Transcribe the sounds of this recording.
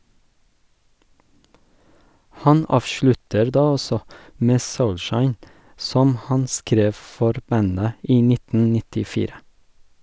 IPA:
ˈhɑn ˈɑːʋʃlʉtəɾ ˈdɑː ˈɔsɔ ˈmeː ˈsɔlˌʃɑɪn ˈsɔm ˈhɑn ˈskɾeːf ˈfɔɾ ˈbænə ˈiː ˈnɪtn̩ nɪtɪˈfiːɾə

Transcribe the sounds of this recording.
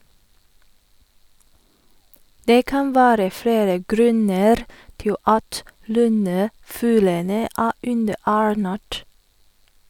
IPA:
ˈdeː ˈkɑn ˈʋæːɾə ˈfɽeːɾə ˈɡɾʉnəɾ ˈtɪl ˈɑt ˈlʉnəˌfʉːlənə ˈæː ˈʉndəˌæːɹˌnæːʈ

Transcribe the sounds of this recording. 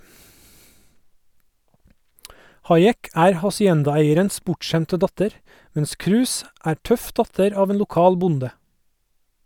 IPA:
ˈhɑɪˌeːk ˈæːɾ hɑsɪˈɛndɑˌeɪəɾəns ˈbʊʈˌʃæmtə ˈdɑtəɾ ˈmɛns ˈkɾʉːs ˈæː ˈʈœf ˈdɑtəɾ ˈɑːʋ ˈeːn lʊˈkɑːl ˈbʊndə

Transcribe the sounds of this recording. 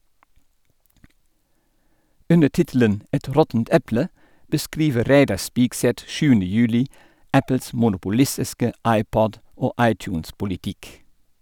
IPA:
ˈʉnə ˈʈɪtl̩ən ˈɛt ˈɾɔtn̩t ˈɛplə bəˈskɾiːʋəɾ ˈɾæɪdɑ ˈspiːkˌsɛt ˈʃʉːəndə ˈjʉːlɪ ˈæpəls mʊnʊpʊˈlɪsɪskə ˈɑɪˌpɔd ˈoː ˈʔɑɪtˌçʉːnspʊlɪˌtɪk

